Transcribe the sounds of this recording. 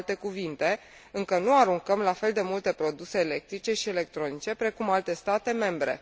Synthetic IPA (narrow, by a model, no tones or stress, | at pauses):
lt̪e̞kuvint̪e̞ | ɨŋkənuaɾuŋkəmlafe̞ld̪e̞mult̪e̞pɾo̞d̪use̞ːle̞k̚t̪ɾit͡ʃe̞ʃiele̞k̚t̪ɾo̞nit͡ʃe̞pɾe̞kumalt̪e̞st̪at̪e̞me̞mbɾe̞̰